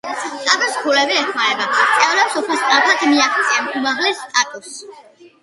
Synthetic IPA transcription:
t̪ʼat̪ʼɔskʰulɛbiɛχmaɾɛbat̪sʼɛvlɛpsɔpʰast̪ʼɾapʰad̪miaχt̪sʼiamumaʁlɛst̪ʼat̪ʼɔs

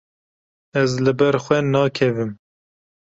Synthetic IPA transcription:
ɛzlɨbɛɾxʷɛnɑːkʰɛvɨm

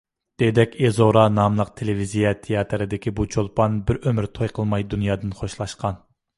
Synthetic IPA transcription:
d̪̥ed̪ɛkʲezoɾɑnɑmlˠəqt̪ʰelɪvizijɛt̪ʰejɑt̪ʰɾɨd̪ɪkʲʰibut͡ʃʰolˠpʰɑnbɪɾømɪɾt̪ʰojqʰəlˠmɑjd̪unjɑːd̪ɨnχoʃlˠɑʃqɑn

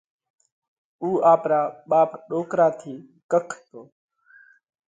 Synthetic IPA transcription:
uːaːpɾaːɓaːpɗoːkɾaːt̪ʰiː | kəkʰt̪oː

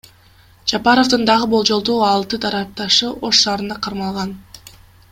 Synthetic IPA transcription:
d͡ʒɑpɑɾo̞vd̪ɯnd̪ɑʁɯbo̞lˠd͡ʒo̞lˠd̪oːɑlˠt̪ɯd̪ɑɾɑp̚t̪ɑʃɯʔo̞ʃːɑːɾɯnd̪ɑqʰɑɾmɑlˠʁɑn

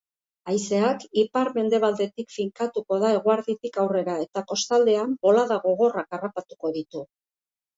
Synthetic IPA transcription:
ajse̞akipaɾme̞nd̪e̞β̞ald̪e̞t̪ikfiŋkat̪uko̞ðae̞ɣ̞uaɾðit̪ikawre̞ɾae̞t̪ako̞st̪ald̪e̞ambo̞laðaɣo̞ɣ̞o̞rakarapat̪u̥ko̞ðit̪u

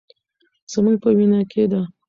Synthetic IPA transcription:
z̥əmuɡ̚pəwinɑkʰed̪a

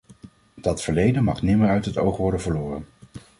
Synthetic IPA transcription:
d̥ɑtfəɹlejdənmɑχnɪməɹœɥtɦətowχʋɔɹdənvəɹlʊːrən

